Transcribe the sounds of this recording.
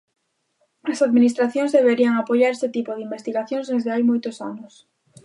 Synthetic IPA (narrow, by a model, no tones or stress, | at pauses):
asaðminist̪ɾaθjonzðe̞βeɾiaŋapoʎaɾeset̪ipoðimbe̞st̪iɣaθjõnzðezðeajmojt̪osanos